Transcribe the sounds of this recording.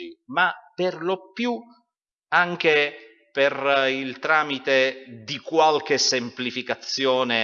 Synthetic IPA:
imapːerlopːju | aŋk̟e | perilt̪ɾaːmit̪ed̪ikwalk̟esemplifikat̪sːjɔːne

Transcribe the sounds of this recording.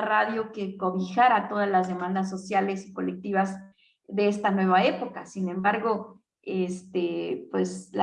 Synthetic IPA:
raðjo̞ke̞ko̞βixaɾat̪o̞ðazlazðe̞mãnd̪as̬ːo̞sjale̞si̥ko̞le̞k̚t̪iβaz | ðe̞est̪anwe̞βae̞po̞kasinẽmbaɾɣo̞ | est̪epwe̞sla

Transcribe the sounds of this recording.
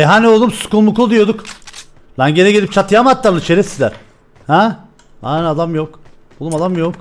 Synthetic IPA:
eɦanolˠd̪umsu̥kulˠmukʰud̪ijo̞d̪uk | lanɟenɛɟelʲip̚t͡ʃʰat̪jamat̪lːaɾnɯt͡ʃʰeɾesizlʲæɾ̥ | hæ | anɛad̪amjok̪ˠ | umad̪amjok

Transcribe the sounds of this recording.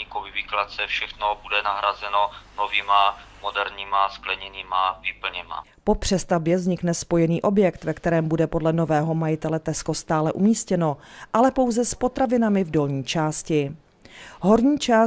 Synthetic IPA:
ikovɪviklat̪t͡sɛfʃɛxnobudɛnaɦɾazɛnonovimamodɛɾɲimasklɛɲɛniːmavɪpl̩ɲɛma̰ | po̞pr̝̥ɛst̪abjɛvzɲɪknɛspo̞jɛniːʔo̞bjɛkt̪vɛkt̪ɛɾɛːmbudɛpo̞dlɛno̞vɛːɦo̞majɪt̪ɛlɛt̪ɛsko̞st̪aːlɛʔumiːscɛno̞ʔalɛpo̞wzɛspo̞t̪ɾavɪnamɪvdo̞lɲiːt͡ʃaːscɪ | ɦo̞ɾɲiːt͡ʃaː

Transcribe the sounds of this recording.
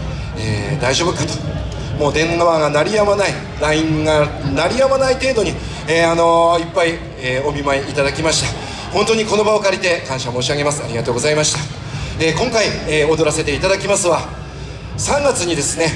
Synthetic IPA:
ḛːd̪aiʑo̞ːbɯ̟kɯ̟t̪o̥ | mo̞ːd̪ẽ̞ŋɡaβaɡanaɾʲijamanai | ɾaĩŋɡanaɾʲijamanait̪e̞ːd̪o̞ɲ̟i | eano̞ipːai | eːo̞mʲimaeit̪ad̪akʲimaɕi̥t̪a | ho̞nt̪o̞ɲ̟iko̞no̞bao̞kaɾʲit̪e̞kãɰ̃ɕamo̞ːɕiaɡe̞masɨaɾʲiɡat̪o̞ːɡo̞zaimaɕi̥t̪a | ekõ̞ŋkaieo̞d̪o̞ɾaset̪e̞it̪ad̪akʲimasɨβa | sãŋɡat͡sɨɲ̟id̪e̞sɨne̞

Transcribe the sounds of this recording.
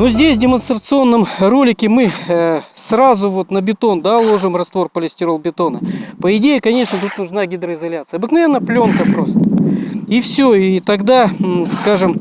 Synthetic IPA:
nozʲdʲesʲvdʲɪmənst̪ɾət̪sɨo̞nːəmrolʲɪkʲɪmɨ | srazʊvo̞t̪nəbʲɪt̪o̞nd̪alˠo̞ʐɨmrɐst̪vo̞rpəlʲɪsʲtʲɪɾo̞lˠbʲɪt̪o̞nəpəɪdʲejɪkɐnʲe̞ʂnət̪ut̪nʊʐnaɡʲɪd̪ɾəɪzɐlʲat̪sɨəɐbɨknɐvʲe̞nːəplʲo̞nkəpɾo̞st̪əifsʲoit̪ɐɡd̪askaʐɨm

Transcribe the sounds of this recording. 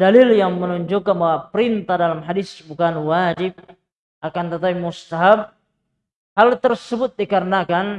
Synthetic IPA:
dalɪljaŋmənuɲd͡ʒukanbawapəɾint̪adalamɦadisbukanwad͡ʒɪb̚ | ʔakant̪ət̪apimust̪aɦab̚ | halt̪ərsəbʊt̪̚dikaɾənakan

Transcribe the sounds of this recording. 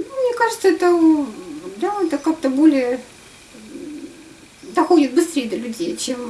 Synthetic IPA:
numnʲekaʐɨt̪səɛt̪ə | d̪aɛt̪əkak̚t̪əbolʲɪjə | d̪ɐxodʲɪt̪̚bɨst̪ɾʲejəd̪əlʲʉdʲejt͡ɕem

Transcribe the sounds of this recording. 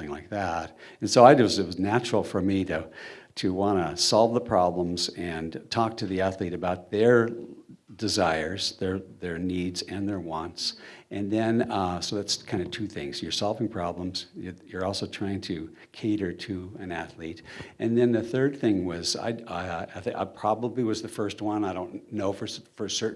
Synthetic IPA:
ɪ̃ŋlaɪk̚ðæt̚ɨ̃nsoʊaɪdɨzɨt̚wʌznæt͡ʃɹl̩ˠfə˞miɾɨ | ɾɨwɑ̃ɾəsɑlˠvðəpʰɹ̥ɑblə̃mzɨ̃ntʰɔk̚tʰɨðiæθliɾɨbaʊt̪̚ðə˞ | dɨzaɪə˞zðə˞ðə˞nidzɨ̃nðə˞wɑ̃ntsʔɨ̃nðɨ̃nsoʊðætskʰãɪ̃ndɨtʰʉθɪ̃ŋz̥jə˞sɑlˠvɪ̃ŋpʰɹ̥ɑblə̃mz̥jəjə˞ɔlˠsoʊtʰɹ̥aɪɪ̃ŋtʰɨ | kʰeɪɾə˞ɾɨɨ̃næθliɾɨ̃nðɨ̃nðɨθɜ˞d̪̚θɪ̃ŋwʌza̰ɪθa̰ɪpʰɹ̥ɑbəbliwʌzðɨfɜ˞st̚wʌ̃naɪɾõʊ̃nnːoʊfə˞fə˞sɜ˞ʔ

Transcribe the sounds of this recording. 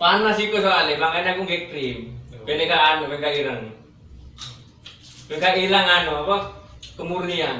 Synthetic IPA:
panasikosoalɛlaŋanakuŋɡɛt̪ɾimpɛnekaːnobɛŋkaiɾaŋi | bɛŋkailaŋanɔapakəmurnian

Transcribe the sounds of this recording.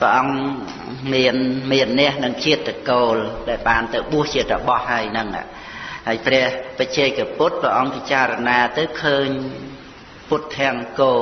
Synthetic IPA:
pɛə̆ʔɑŋ | miənmiənːɛ̆əhnɨŋt͡ɕʰiət̪ːəkoːlɗaɛlɓaːnt̪ɨwɓuəht͡ɕiət̪̚rɔɓɑhːaəjnɨŋʔa̰ːʔ | haəjprɛ̆əhpət͡ɕɛːk̚aput̪̚prɛəʔɑŋpit͡ɕaːɾɔnaːt̪ɨwkʰəːɲ | put̪ʰːăəŋkoː

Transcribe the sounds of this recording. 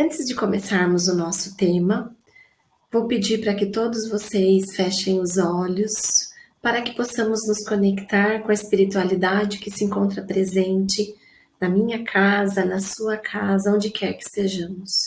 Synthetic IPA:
ɐ̃t͡ʃɪzd͡ʒɪkõmesaɾmʊzʊnɔsʊ̥t̪ẽmɐ | vowpɪd͡ʒiɾpɾɐkɪt̪od̪ʊzvosejsfɛʃẽj̃ʊzɔʎʊspaɾɐkɪ̥posɐ̃mʊznʊskõnekt̪aɾkõɐɪspiɾit̪ualid̪ad͡ʒɪkɪsɪẽŋkõnt̪ɾɐpɾezẽnt͡ʃɪ | nɐmĩɲɐkʰazɐnɐsuɐkʰazɐõnd͡ʒɪkʰɛɾkɪ̥st̪eʒɐ̃mʊs

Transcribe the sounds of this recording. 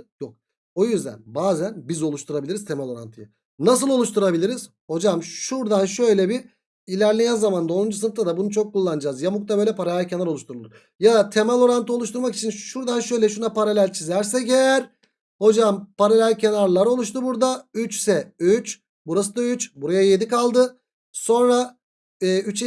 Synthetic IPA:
jok̚ | ojyzd̪æ̰nbaːzænbizo̞lˠuʃt̪ʰuɾabilʲiɾizt̪ʰemalʲˠo̞ɾa̰nt̪ʰɯja | nas̬ɯlˠo̞lˠuʃt̪ʰuɾabilʲiɾiz̥ | ho̞d͡ʒamʃuɾd̪anʃø̞jlʲɛbi | ilʲæɾlʲijænzamand̪aonund͡ʒus̬ɯnɯft̪ʰad̪abunut͡ʃʰo̞kʰːulˠːand͡ʒazjamuk̚t̪ʰabøjlʲɛpʰaɾalʲælʲcʰe̞naɾo̞lˠuʃt̪ʰuɾulˠuɾ | jad̪at̪ʰe̞malʲo̞ɾant̪ʰɯo̞lˠuʃt̪uɾmaki̥t͡ʃʰinʃuɾd̪anʃø̞jlʲɛʃunapʰaɾalʲælʲt͡ʃʰizæɾsɛɟɛɾ | ho̞d͡ʒampaɾalʲælʲcʰe̞naɾlˠaɾo̞lˠuʃt̪ubuɾd̪ayt͡ʃsɛyt͡ʃ | buɾasɯd̪ayt͡ʃbuɾajajed̪ikalˠd̪ɯ | so̞nɾaː | yt͡ʃ

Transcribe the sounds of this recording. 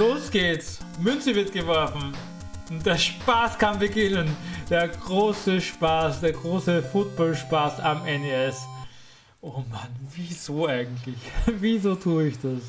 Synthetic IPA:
loːsɡ̥eːtsmʏnt͡səvɪɐt̚ɡ̥əvɔɐfn̩ | ʊnt̚d̥eːɐʃpaːskʰanbəɡɪnənd̥eːɐɡʁoːsəʃpaːsd̥eːɐɡʁoːsəfʊt̚b̥ɔlʃpaːsamɛneɛs | ʔoːmanviːzoːaɪɡŋ̩tlɪçviːzoːtʰuːəɪçd̥as

